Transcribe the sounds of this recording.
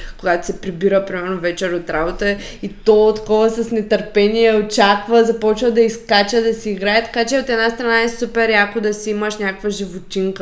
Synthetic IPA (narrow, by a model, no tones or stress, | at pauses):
koɡat̪o̥sɛpɾibiɾəpɾimɛɾnovɛt͡ʃɛɾot̪ɾabot̪ə | it̪ɔot̪kɔvəsɐsnɛt̪əɾpɛniɛot͡ʃakvəzɐpɔt͡ʃvəd̪ɐiskat͡ʃəd̪ɐsiːɡɾaɛt̪ɐ̥kat͡ʃɛot̪ɛd̪nast̪ɾɐnaɛsupɛɾjakʊd̪ɐsiiməʃnʲakkvəʒivot̪ʲiŋkə